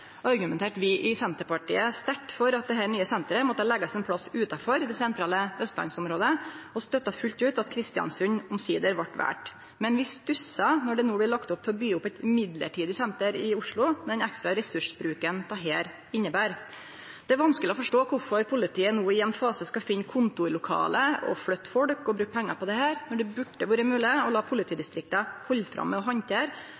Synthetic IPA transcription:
ɑɾɡʉmɛnt̪eːʈʋɪʔɪsɛnt̪əɾpɑʈḭːəst̪æʈːfɔɾɑt̪̚d̪ɛɦæːɳyːəsɛnt̪əɾəmɔt̪ːəhɑlɛɡːɑsɛnpʰɽɑsʉːt̪ɑfɔɾd̪ɛsɛnt̪ʰɾɑːləœst̪lɑ̰nsɔmɾoːd̪əɔst̪œt̪ːɑfʉlt̪ʉːt̪ɑt̪kʰɾɪst̪ɪɑ̰nsʉɲʊmsiːd̪əɾʋɑʈːʋæ̰ːʈ | mɛnʋɪst̪ʉsɑnɔɖɛnoːblɪɭɑkt̪ʊp̚t̪ʰɛlɔbyːʊpːɛt̪ɪmɪd̪lə̰ʈʰiːd̪ɪsɛnt̪əɾɪʊʂɭʊmɛd̪ɛnɛkst̪ɾɑɾɛsʉʂbɾʉːkənt̪ʰɑːɦeːɾ | ɪnːəbæːɾ | d̪̥ɛæɾʋɑnskəlɪɔfɔʂʈoːkʰʊfɔɾpʰʊlɪt̪ʰiːənoːɪɛnfɑːsəskɑfɪnːkʰʊnt̪ʊɪlʊkʰɑ̰ːləɔ̰flœt̪ːfɔɽkɔbɾʉːk̚pʰɛŋːɑɾpɔd̪ɛhæːɾnɔɖɛbʉɖəʋuːɾəmʉːlɪəɔlɑːpʰʊlɪt̪ʰiːd̪ɪst̪ɾɪk̚t̪əhɔlːfɾɑ̰mːɛɔɦɑnt̪ʰeːɾ

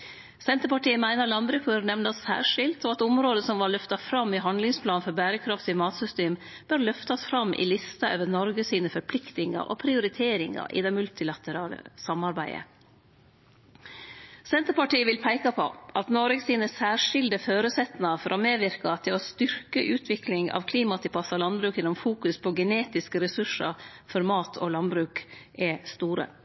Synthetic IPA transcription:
sɛnt̪əɾpɑʈiːəmæɪnɑlɑnbɾʉːk̚bœɾnɛʋnɑsːæ̰ːɾʂɪlt̪oːɑt̪ʊmɾoːd̪əsɔmʋɑɾɭœft̪ɑfɾɑmːɪɦɑnd̪lɪŋspʰlɑːnfɔɾbæːɾəkʰɾɑft̪ɪmɑːt̪sʏst̪eːm | b̥øɾlœft̪ɑsfɾɑmʔɪ̰lɪst̪ɑʔøːʋəɾnɔɾɡəsiːnəfɔɾpʰlɪkt̪ɪŋɑ̰ʔo̰ːpʰɾɪʊɾɪt̪ʰeːɾɪŋɑ̰ʔɪ̰d̪ɛmʉlt̪ɪlɑt̪əɾɑːlə̰sɑmːɑɾbæɪə̰ | sɛnt̪əɾpɑʈiːəʋɪlpʰæɪkɑpʰɔ̰ʔɑt̪nɔɾɡsiːnəsæːʂɪld̪əføːɾəsɛt̪nɑfɔɾʔɔmeːʋɪɾkɑt̪ʰɪlɔst̪ʏɾkəʔʉːt̪ʰʋɪklɪŋɑ̰ːʋkʰliːmɑt̪ʰɪpʰɑsɑlɑnbɾʉːkjɛnːɔmfuːkʉspʰɔɡɛneːt̪ɪskəɾɛsʉʂɑ̰ɾfɔɾmɑːt̪ʰɔlɑnbɾʉːkɛst̪uːɾə̰

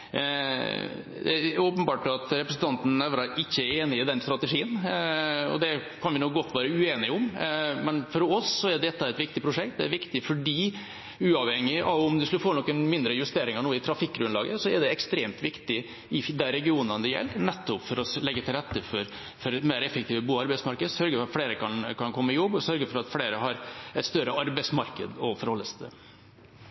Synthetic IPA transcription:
d̪ɛoːpənbɑːʈɑt̪ɾɛpɾəsn̩t̪ʰɑnt̪n̩ɛʋɾɑɾɪçːəæɾeːnɪɪd̪ɛnst̪ɾɑt̪ɛʂiːən | ɔ̰d̪ɛkʰɑnʋɪnuɡɔt̪ːʋæːɾəʉeːnɪʊmmɛnfɔɾɔsːɔæɖɛt̪ːɑɛt̪ʋɪk̚t̪ɪpʰɾʊʂɛkt̪̚d̪ɛæɾʋɪkt̪ɪfɔɖiː | ʉːɑʋhɛŋːɪʔɑʋʊmd̪ʉsklfoːnɔkːənmɪnd̪ɾəjʉst̪eːɾɪŋɑɳuːɪt̪ʰɾɑfɪk̚ːɡɾʉnlɑːɡəsɔɛɖɛɛkst̪ɾeːmt̪ʋɪkt̪ɪ | ɪd̪æɾɛɡɪuːnənəjɛ̰lːnɛt̪ːʊpfɔɾɔlɛɡːət̪ɪlɾɛt̪ːəfɔɾ | fɔɾɛt̪meːɾɛfːək̚t̪ʰiːʋəbuːɑɾbæɪsmɑɾkəd̪sœɾɡəfɔɾɑt̪fleːɾəkʰɑnkʰɑnkʰɔmːəɪjɔbːɔsœɾɡəɾfɔɾɑt̪fleːɾəɦɑɾɛt̪st̪œɾəɑɾbɛɪsmɑɾkə̰d̪ɔfɔɾhɔlːəsd̪ɛ

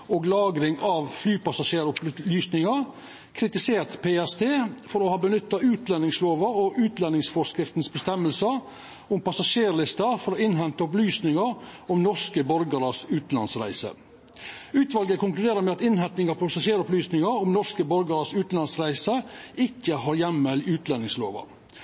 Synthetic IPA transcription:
oːɡlɑːɡɾɪŋɑʋflyːpɑsɑʂeːɾʊplyːsnɪŋəɾ | kʰɾɪt̪ɪseːɾt̪pʰeːɛst̪ʰeːfɔɾoːhɑːbənʏt̪ːɑʉːt̪lɛnɪŋsloːʋəɔʔʉːt̪lɛnːɪŋsfɔʂkɾɪft̪nsbəst̪ɛmːəlsə | ʊmpɑsɑʂeːɾɭɪst̪ɑfɔɾoːɪnɦɛnt̪əɔp̬lyːsnɪŋəɾʊmnɔʂkəbɔɾɡəɾəsʉːt̪n̩ɑ̰nsɾæ̰ɪsə̰ | ʉːt̪ʋɑlɡəkʊŋklʉd̪eːɾəɾmɛɑt̪ɪnhɛnt̪nɪŋɑpʰɑsɑʂeːɾɔplyːsnɪŋəʊmnɔʂkəbɔɾɡəɾəsʉːt̪n̩ɑnsɾæɪsəɪkːəhɑːɾjɛmːəlʉːt̪lɛnɪŋslo̰ːʋə̰

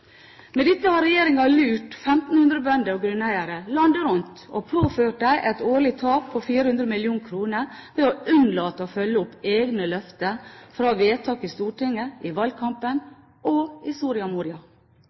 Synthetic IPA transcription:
mɛd̪ɪt̪ːəhɑɾɛjeːɾɪŋɑlʉːʈfɛmt̪n̩hʉnd̪ɾəbœnd̪əɔɡɾʉnæɪəɾəlɑnd̪əɾʉnt̪opʰoːføːʈ̚d̪æɪʔɛt̪oːɭɪt̪ʰɑːk̚pʰɔfiːɾəhʉnd̪ɾəmɪljuːŋkʰɾuːnəɾʋɛoʉnlɑːt̪ːoːfœlːəʊpːeːɡnəlœft̪əfɾɑːʋeːt̪ʰɑːkɪst̪uːʈɪŋːəʔɪʋɑlkʰɑmpən | oɪsuːɾɪɑmuːɾɪɑ

